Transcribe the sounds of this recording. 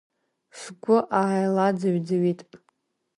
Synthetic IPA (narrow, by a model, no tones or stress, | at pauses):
sɡʷʊʔaajlad͡zɨɥd͡zaɥitʼ